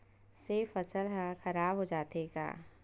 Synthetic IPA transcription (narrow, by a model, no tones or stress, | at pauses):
seːfəsəlɦãxɐɾaːbɦoːd͡ʒaːt̪eːɡa̰ː